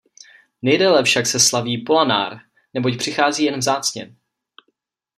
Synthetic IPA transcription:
nɛjdɛlɛfʃaksɛslaviːpolana̰ːɾ | nɛbo̞cpr̝̥ɪxaːziːjɛnvzaːt͡sɲɛ̰

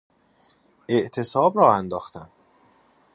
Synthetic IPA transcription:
ʔe̞ʔt̪ʰe̞sɒːbɾɒːænd̪ɒːxt̪æn

